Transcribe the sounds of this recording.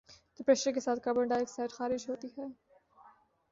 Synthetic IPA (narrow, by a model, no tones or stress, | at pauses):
t̪ɪpɾɛːʃəɾkesaːt̪̚ʰkabə̃ɳɖaeːksaɪʈxaːɾɪʃɦoːt̪iɦɛː